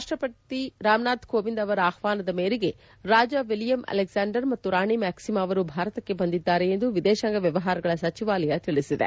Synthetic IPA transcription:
aːʂʈɾɐpɐt̪iɾaːmnaːd̪koːʋind̪ɐʋɐɾɐaːxʋaːnɐd̪ɐmeːɾiɡe̞ | ɾaːd͡ʒɐʋiljɐmɐ̰leɡsaːɳɖɐɾmɐt̪ːuɾaːɳimæːksimɐʋɐɾubʱaːɾɐt̪ɐkːe̞bɐnd̪id̪ːaːɾeːnd̪uʋid̪ɛːʃaŋɡɐʋjɐʋɐɦaːɾɐɡɐɭɐsɐt͡ʃiʋaːlɐjɐt̪iɭisid̪ḛ

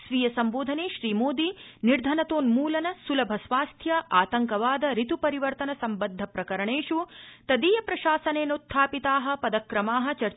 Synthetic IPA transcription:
sʋijɐsɐmboːd̪ʱɐneːʃɾiːmoːd̪iniɾd̪ʱɐnɐt̪oːnmuːlɐnɐsulɐbʱɐsʋaːst̪ʰjɐʔaːt̪ɐŋkɐʋaːd̪ɐɾit̪upɐɾiʋɐɾt̪ɐnɐsɐmbɐd̪ʱːɐpɾɐkɐɾɐɳeːʂut̪ɐd̪iːjɐpɾɐʃaːsɐneːnot̪ʰːaːpit̪aːɦɐ̆pɐd̪ɐkɾɐmaːɦɐ̆t͡ʃɐɾ

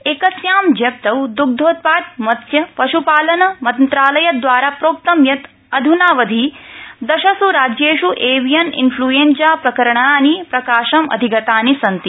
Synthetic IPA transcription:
ekɐsjaːmd͡ʒɐp̚t̪ɐwd̪uɡ̚d̪ʱoːt̪̚paːt̪̚mɐt̪jɐpɐʃupaːlɐnɐmɐnt̪ɾaːlɐjɐd̪ʋaːɾaːpɾoːk̚t̪ɐmjɐt̪ | ɐd̪ʱunaːʋɐd̪ʱid̪ɐʃɐsuɾaːd͡ʒjeːʃuʔeːʋijɐnḭnpʰluːjeːnsaːpɾɐkɐɾɐɳanipɾɐkaːʃɐmɐ̰d̪ʱiɡɐt̪aːnisɐnt̪i

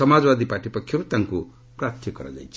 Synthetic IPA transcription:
ʌmad͡zbad̪ipaʈipʌkʰjoɾt̪aŋko | prat̪ʰjekːʌɾa̰d͡ʒa̰jt͡sʰ

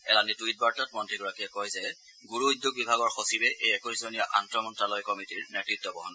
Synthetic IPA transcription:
ɛ̰lanitujt̚baɹtat̚mɔntɹiɡɔɹakiɛkɔjzɛ | ɡuɹuujdjoɡ̚bibʱaɡɔɹxosibɛʔejɛkoɹizɔnijaʔantɹɔmɔntɹalɔjkɔmitiɹnetɹitːɔbɔɦɔn

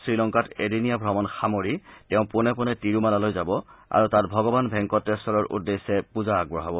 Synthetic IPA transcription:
sɹilɔŋkatedinijabʱɹɔmɔnxamoɹitɛʊ̃pʊnɛpʊnɛtiɹumalalojzabɔa̰ɹutatbʱɔɡɔbanbʱɛŋkɔtːɛsɔlɔɹʔṵdːesɛpuzaːɡ̚bɔɦabɔ

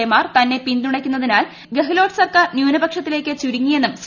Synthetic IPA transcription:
ejmaːrt̪ɐnːe̞pind̪uɽɐkʲːunːɐðinaːl | ɡeɦilo̞ːʈɨ̥sɐrkaːrnjuːnɐbɐkʂɐt̪ːile̞ːkʲːɨt͡ɕuɾiŋːije̞nːums

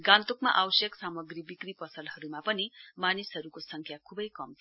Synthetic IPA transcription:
ɡãnt̪okmaʔawsjʌksamʌɡribikripʌsʌlɦʌɾumapʌnimanisɦʌɾukosʌŋkʰjakʰubʌjkʌmt̪ʰ

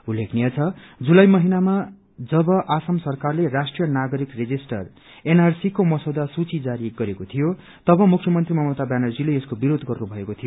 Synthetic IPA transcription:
ulːekʰnijʌt͡sʰʌ | d͡zulajmʌɦinama | d͡zʌbʌʔasʌmsʌrkarlerasʈrijʌnaɡʌɾikred͡zisʈʌr | enarsikomʌsʌwd̪asut͡sid͡zaɾiɡʌɾekot̪ʰijo | t̪ʌbʌmukʰjʌmʌnt̪rimʌmʌt̪abjanʌrd͡zileeskobiɾod̪ɡʌrnubʱʌekot̪ʰijo

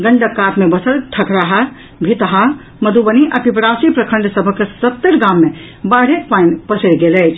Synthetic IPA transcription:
ɡəɳɖəkːat̪mebəsəlʈʰəkɾaɦa | bʱit̪ɦa | məd̪ʱubəniʔapipɾasipɾəkʰə̃ɳɖsəbʱəkːesət̪ːəɾɡamːe | baɽ̤ekpainpəsəjɡelɛt͡ʃʰ

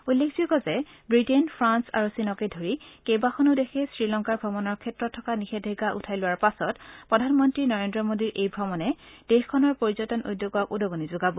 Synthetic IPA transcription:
ujlːekʰzuɡɔzɛbɹitenpʰɹansa̰ɹusinɔkedʱoɹikejbaxʰɔnodexʰɛsɹilɔŋkaɹbʱɔmɔnɔɹkʰɛtɹɔtʰːɔkanixedʱeɡaʔṵtʰajlʊwaɹpasɔtpɹɔdʱanmɔntɹinɔɹendɹɔmodiɹʔejbʱɔmɔnɛd̥exkʰɔnɔɹpoɹizɔtɔnʔujdːjoɡɔkudɔɡonizoɡabɔ

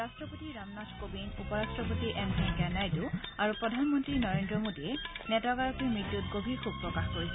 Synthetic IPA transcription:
ɹastɹɔpotiɹamnadʰʱkobinupɔɹastɹɔpotiʔɛmsinɡɛnajtuaɹupɹɔdʱanmɔntɹinɔɹendɹɔmodiɛnɛtɔɡaɹɔkimɹitːutɡobʱixub̚pːɹɔkaxkoɹisɛ

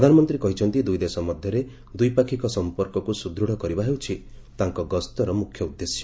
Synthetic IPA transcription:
pɾɔd̪ʱanɔmɔnt̪ɾikɔɦit͡ʃʰɔnt̪id̪ujd̪esɔmɔd̪ʱjɔɾe | d̪ujpakʰikɔsɔmpɔɾkɔkusud̪ʱɾuɽ̃ɔkɔɾibaɦewt͡ʃʰi | t̪aŋkɔɡɔst̪ɔɾɔmukʰjɔud̪ːesjɔ

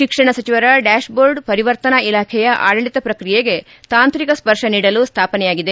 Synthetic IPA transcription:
ʃikʂɐɳɐsɐt͡ʃiʋɐɾɐɖaːʃboːɾɖpɐɾiʋɐɾt̪ɐnɐilaːkʰɛjɐʔa̰ːɽɐɳɖit̪ɐpɾɐkɾijeɡe̞ | t̪aːnt̪ɾikɐspɐɾʂɐniːɽɐlust̪ʰaːpɐnɛjaːɡid̪e

